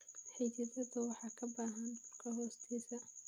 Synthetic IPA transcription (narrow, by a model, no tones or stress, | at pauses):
ħit͡ʃɐdɐðɐwɑħɑːkʰɐbaːɦɐnbʊrkʰɐɦɔːst̪ʰiːsɐ